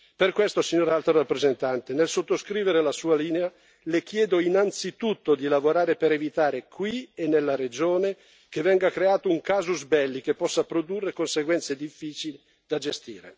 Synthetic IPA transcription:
perkwest̪osiɲːoːɾalt̪ɾorapːɾezent̪ant̪enelsot̪ːoskɾiːveɾelasuːaliːnea | lek̟jɛːd̪oinant̪sit̪ut̪ːod̪ilavoɾaːɾepeɾevit̪aːɾekʰwienːelːaɾed͡ʒoːne | k̟evɛŋɡakɾeaːt̪ouŋkaːzuzbɛlːikepːɔsːapɾod̪urːekonseɡwɛnt̪sed̪ifːiːt͡ʃili | d̪ad͡ʒest̪ḭːɾḛ

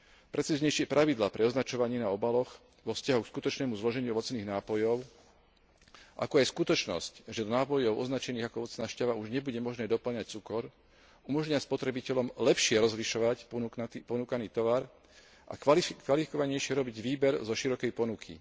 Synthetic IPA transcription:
pɾʔɛt͡siːzɲɛjʃɪɛpɾʔaʋid̪laːpɾɛɔznat͡ʃɔʋaɲiːnaɔbalɔx | ʋɔfscaɦukskut̪ɔt͡ʃnɛːmuzlɔʒɛɲuɔʋɔt͡sniːɣnaːpɔjɔʊ | ʔa̰kɔajskut̪ɔt͡ʃnɔ̰scʒɛd̪naːpɔjɔʊʔɔznat͡ʃɛniːɣakɔɔʋɔt͡snaːʃcaʋauʒɲɛbuɟɛmɔʒnɛːd̪ɔpl̩ɲac̚t͡sukɔɾ | umɔʒɲɪaspɔt̪ɾɛbicɛʎɔmlɛpʃɪɛɾɔzliʃɔʋac̪pɔnukaniːt̪ɔʋaɾ | ʔa̰kʋalifikɔʋaɲɛjʃɪɛɾɔbiɟʋiːbɛɾzɔʃiɾɔkɛjpɔnukʰḭ

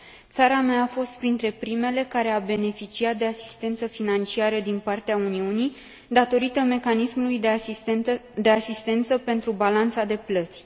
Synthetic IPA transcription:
t̪saɾameaːfo̞st̪pɾint̪ɾe̞pɾime̞le̞kaɾe̞abe̞ne̞fit͡ʃiat̪̚d̪e̞asi̥st̪e̞nt̪səfinant͡ʃiaɾəd̪inpart̪eauniunij | d̪at̪o̞ɾit̪əme̞kanismulujd̪e | d̪e̞asist̪e̞nt̪səpe̞nt̪ɾubalant̪sad̪e̞plət̪sʲ

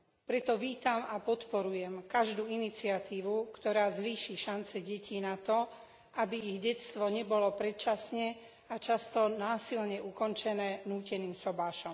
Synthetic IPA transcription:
pɾɛt̪ɔʋiːt̪amapɔt̪pɔɾujɛmkaʒd̪uːinit͡siat̪iːʋukt̪ɔɾaːzʋiːʃiʃant͡sɛɟɛciːnat̪ɔ | ʔabiiɣɟɛtt͡st̪ʋɔɲɛbɔlɔpɾɛt̪̚t͡ʃasɲɛ | at͡ʃast̪ɔnaːsilɲɛukɔnt͡ʃɛnɛːnuːcɛniːmsɔbaːʃɔm

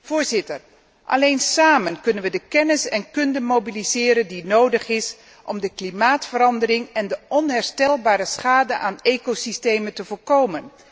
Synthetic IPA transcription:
v̥ʊːɹzɪtər | ʔɑ̰lejnsaːmənkɵnənʋədəkɛnɪsɛnkɵndəmowbilizɪːɾəndinowdəχɪs | ʔɔmdəklimaːtfəɾɑndərɪŋɛndəʔɔnɦɛɹstɛlˠbaːɾəsχaːdəʔaːnejkosistejməntəvʊːɹkowmən

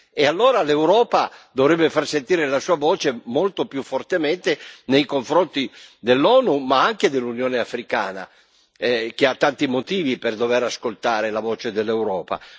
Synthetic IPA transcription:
ealːoːɾalewɾɔːpad̪ovɾɛbːefarsent̪iːɾelasuːavɔːt͡ʃemolt̪opjufːort̪emɛnt̪enejkoɱfɾont̪id̪elːɔːnumaaŋk̟ed̪elːunjoːneafɾika̰ːna̰ | ɛk̟eat̪ːant̪imot̪iːviperd̪ovɛɾaskolt̪aːɾelavɔːt͡ʃed̪elːewɾɔːpa̰

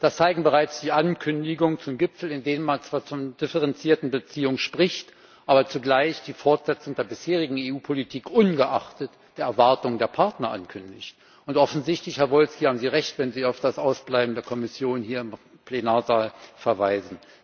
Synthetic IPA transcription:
d̥ast͡saɪɡŋ̩bəʁ̞aɪt͡sd̥iːʔankʰʏndɪɡʊŋət͡sʊmɡɪpfl̩ɪndeːnənmant͡sv̥aːɐt͡sʊd̥ɪfəʁɛnt͡siːɐtn̩bət͡siːʊŋəʃpʁ̥ɪçt | ʔaːbɐt͡suɡlaɪçd̥iːfɔɐtz̥ɛt͡sʊŋd̥eːɐbɪsheːʁ̞ɪɡŋ̩eːuːpʰolitʰiːkʔʊnɡəʔaχtət | d̥eːɐɛɐvaɐtʊŋədeːɐpʰaɐtnɐʔa̰nkʰʏndɪçt | ʊntʔɔfn̩zɪçtlɪçhɛɐvɔlskihaːbm̩ziːʁɛçtv̥ɛnziːaʊfd̥asʔaʊsb̥laɪbm̩deːɐkʰɔmɪsjoːnhiːɐɪm | pʰl̥enaːɐzaːlfɛɐvaɪzn̩

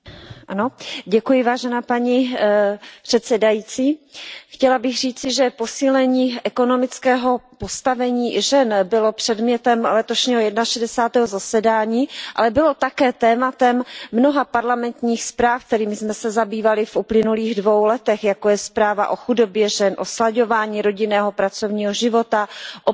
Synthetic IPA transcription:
ʔano̞ɟɛkujɪvaːʒɛnaːpaɲi | pr̝̥ɛt̪sɛdajiːt͡siːxcɛlabɪɣr̝iːt͡sɪʒɛpo̞siːlɛɲiːʔɛko̞no̞mɪt͡skɛːɦo̞po̞st̪avɛɲiːʒɛnbɪlo̞pr̝̥ɛdmɲɛt̪ɛmlɛt̪oʃɲiːɦojɛdnaʃɛdɛsaːt̪ɛːɦozasɛdaːɲiːʔa̰lɛbɪlo̞t̪akɛːt̪ɛːmat̪ɛmːnoɦapaɾlamɛnt̪ɲiːxspɾaːfk̚t̪ɛɾiːmɪzmɛsɛzabiːvalɪfʔuplɪnuliːɣdvo̞wlɛt̪ɛxjakojɛspɾaːva̰ʔo̞xudo̞bjɛʒɛnʔoslaɟo̞vaːɲiːɾo̞ɟɪnɛːɦo̞pɾat͡so̞vɲiːɦo̞ʒɪvo̞t̪aʔo

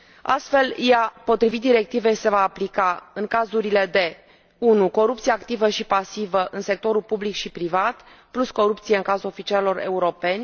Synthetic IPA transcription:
a̰st̪fe̞ljapo̞t̪ɾivit̪̚d̪iɾe̞k̚t̪ive̞jse̞vaːplikaɨŋkazuɾile̞d̪e̞ | unuko̞ɾup̚t̪sijeakt̪ivəʃipasivəʔɨnse̞k̚t̪o̞ɾulpublikʃipɾivat̪plusko̞ɾupt̪sieɨŋkazulo̞fit͡ʃialelo̞ɾe̞̰uɾo̞pe̞nʲ

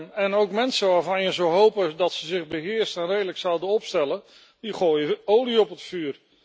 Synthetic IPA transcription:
nɛnowkmɛnsəʋaːɹvɑnjəzowɦowpədɑtsəzɪχbəɦɪːɹstənrejdələksawdəɔpstɛlə | diχoːjəowliɔpətfyːr

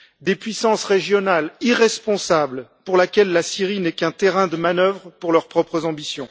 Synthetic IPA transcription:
d̪epɥisɑ̃sʁeʒjɔnaliʁɛspɔ̃sablpuʁlakʲɛlːasiʁinɛkɛ̃t̪eʁɛ̃d̪əmanœvʁəpuʁlœʁpχɔpχəzɑ̃bisjɔ̃

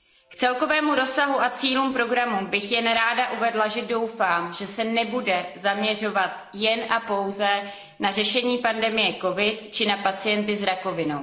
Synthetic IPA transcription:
kt͡sɛlko̞vɛːmuɾo̞saɦuʔat͡siːlumpɾo̞ɡɾamubɪxjɛnɾaːdaʔuvɛdlaʒɛdo̞wfaːmʒɛsɛnɛbudɛzamɲɛr̝o̞vat̪ | jɛnʔapo̞wzɛ | narɛʃɛɲiːpandɛmɪjɛko̞vɪt̪t͡ʃɪnapat͡sɪjɛnt̪ɪzɾako̞vɪnow

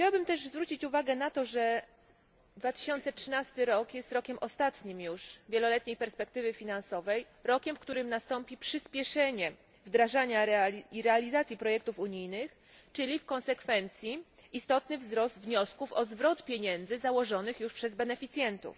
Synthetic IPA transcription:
xt͡ɕawabɘmt̪ɛʐzvɾut͡ɕit͡ɕuvaɡɛnat̪ɔʐɛ | d̪vat̪ɘ̥ɕɔnt̪sɛtʂɘnast̪ɘɾɔkjɛst̪ɾɔkʲɛmʔɔst̪at̪ɲimjuʂvʲjelɔlɛt̪ɲejpɛɾspɛk̚t̪ɘvɘfʲinansɔvɛj | ɾɔkʲɛmfkt̪uɾɘmnast̪ɔmpʲipʂɘspʲjɛʂɛɲɛ | vd̪ɾaʐaɲaɾɛiɾɛalʲizat̪sʲjipɾɔjɛkt̪ufuɲijnɘx | t͡ʂɘlʲifkɔ̃nsɛkfɛnt̪sʲjiist̪ɔt̪nɘvzɾɔszd̪vɲɔskufɔzvɾɔt̪pʲjeɲɛnd̪zɘzawɔʐɔnɘxjuʂpʂɛzbɛnɛfʲit̪sʲjɛnt̪ṵf

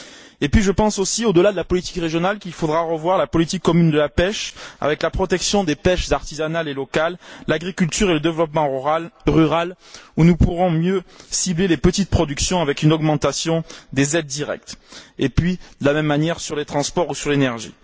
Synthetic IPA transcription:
epɥiʒəpɑ̃sosiod̪əlad̪əlapɔlit̪i̥kʁeʒjɔnalkilfod̪ʁaʁəvwaʁlapɔlit̪ikːɔmynd̪əlapɛʃa̰vɛklapχɔt̪ɛksjɔ̃d̪epɛʃzaʁt̪izanalelɔkalːaɡʁikʲylt̪yʁeləd̪evlɔpmɑ̃ʁyʁal | unupuʁɔ̃mjøsiblelepət̪it̪̚pχɔd̪yksjɔ̃avɛkynɔɡmɑ̃t̪asjɔ̃d̪ezɛd̪ːiʁɛ̰k̚t̪epɥid̪̥əlamɛmːanjɛʁsyʁlet̪χɑ̃spɔʁusyʁlenɛʁʒḭ

